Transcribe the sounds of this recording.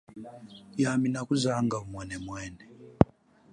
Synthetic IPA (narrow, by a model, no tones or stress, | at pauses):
jaminakuzaŋɡaumwɛnɛmwɛːnɛ